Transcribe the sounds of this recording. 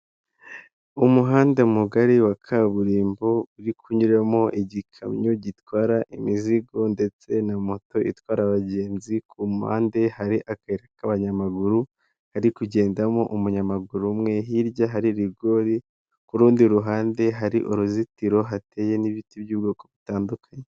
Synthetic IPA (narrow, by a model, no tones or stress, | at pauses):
umuɦaːnde̞muɡaɾiwakʰaβuɾiːmbo̞uɾikʰuɲuɾemo̞ʔiɟikʰamɲuɟitwaːɾaʔimiziɡo̞nde̞t͡se̞namo̞to̞ʔḭtwaːɾaβaɟe̞ːnzikʰumuha̰ːnde̞haɾiʔakaeɾekaβaɲamaɡuɾu | haɾikuɟe̞ːndamo̞ʔumuɲamaɡuɾumŋe̞ɦiɾɟaɦaɾiɾiɡo̞ɾi | kuɾuːndiɾuɦaːnde̞ɦaɾiʔoɾuzitiɾo̞ɦate̞je̞niβitibjuːbɡoːko̞βitaːndukʰaɲe̞